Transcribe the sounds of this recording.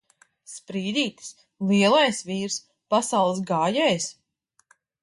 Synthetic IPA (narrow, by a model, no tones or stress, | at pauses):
spɾiːd̪ʲiːt̪ɨ̥s | lˠiɛlˠajsviːɾs | pasawlˠɨsɡaːjɛːjs